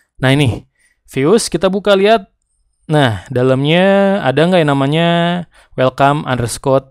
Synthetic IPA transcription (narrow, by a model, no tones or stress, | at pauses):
nahinɪh | fiʊskit̪abukaliɦat̪̚ | nahdaləmɲaa̰daŋɡajnamaɲa | welkama̰ndɾəskɔt̪̚